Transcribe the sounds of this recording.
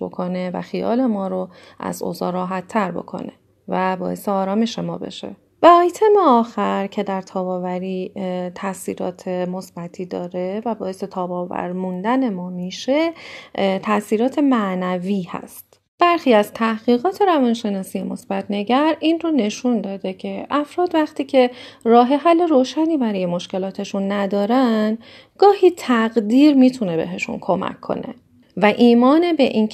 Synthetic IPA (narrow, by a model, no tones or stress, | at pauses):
bo̞̰kʰone̞væ̰xijɒ̰ːle̞mɒːɾo | ʔæ̰zo̰ːzɒ̰ːɾɒːɦæt̪ʰːæɾbo̞̰kʰo̞̰ne̞̰ | væbɒːe̞seɒːɾɒːme̞ʃe̞mɒ̰ːbe̞̰ʃḛ | væɒːjt̪ʰemeɒːxæɾcʰe̞d̪æɾt̪ʰɒːbɒːvæɾiːt̪ʰæsiːɾɒ̰ːt̪ʰemo̞sb̥æt̪ʰiːd̪ɒːɾevæbɒːe̞se̞t̪ʰɒːbɒːvæ̰ɾmund̪æne̞mɒːmiːʃe̞ | t̪ʰæsiːɾɒːt̪ʰe̞mæʔnæviːhæ̰st̪ | b̥æɾxiːæzt̪ʰæhɣ̥iːɣɒːt̪ʰe̞ɾævɒːnʃe̞nɒːsijemo̞sb̥æt̪ʰne̞ɟæɾinrone̞ʃund̪ɒːd̪e̞cʰe̞ʔæfɾɒːd̪væχt̪ʰiːcʰe̞rɒːɦe̞ɦælːe̞ɾoːʃæniːbæɾɒːje̞mo̞ʃce̞lɒːt̪ʰe̞ʃunːæd̪ɒːɾæn | ɡɒːhiːt̪ʰæɡd̪iːɾmiːt̪ʰune̞be̞̰ɦe̞ʃṵnkʰo̞mæ̰kʰːo̞̰ne̞̰ | væʔiːmɒːnebe̞ʔiːn